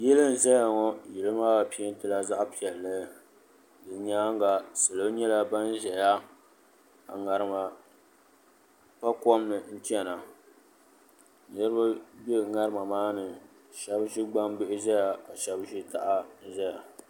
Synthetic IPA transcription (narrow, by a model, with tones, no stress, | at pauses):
jɛ˦lɨ˦n˨zɛ˦ja˨ŋɔ˦jɪ˨lɨ˦maː˦ba˨pi˦i˦n˦tɨ˨la˦za˦ʔpi˨ɛ˨lːɨ˦ | dɨ˨ɲaː˦ŋ˦ɡa˨sɨ˨lo˦ɲɛ˦la˦ba˦n˦ʒɛ˨ja˦ | a˨ŋa˨ɾɨ˦ma˨ | pa˦kɔ˦m˦nɨ˨n̩˦t͡ʃɛ˦na˨˦ | nɛ˦ɾɨ˦ba˦bɛ˦ŋa˦ɾɨ˦ma˨maː˦nɨ˨ | ʃɛ˦bʃi˦ɡ͡ba˦mbɨ˦ʔɪ˦ʒɛ˦ja˨ka˨ʃɛ˦bʒi˦ta˦ʔa˦ʒɛ˦ja˨